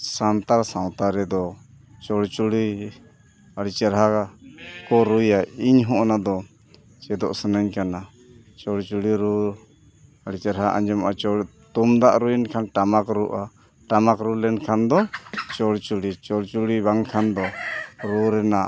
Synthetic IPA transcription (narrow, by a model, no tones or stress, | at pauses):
sant̪aɾsaw̃t̪aɾɛd̪ɔ | t͡ʃɔɽt͡ʃuɽi | aɽit͡ʃɛɾɦa | kɔɾujaiɲɦɔʔnad̪ɔ | t͡ʃɛd̪ɔʔsənaɲkana | t͡ʃɔɽt͡ʃuɽiɾu | əɽit͡ʃɛɾɦaʔa̰ɲd͡ʒɛmat͡ʃɔ | t̪umd̪aʔɾujnkʰanʈamakɾuʔa | ʈamakɾulɛnkʰand̪ɔt͡ʃɔɽt͡ʃuɽit͡ʃɔɽt͡ʃuɽiβaŋkʰand̪ɔɾuɾɛnaʔ